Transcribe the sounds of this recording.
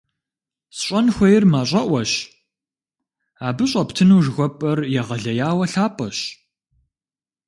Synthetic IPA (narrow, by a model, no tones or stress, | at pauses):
sɕʷʼɐnxʷɐjɪrmaːɕʼɐʔʷɐɕ | aːbɨɕʼɐptʰɨnuːʐɣʷɔpʼɐrjɛʁɐɮɐjaːwɐɬaːpʼɐɕ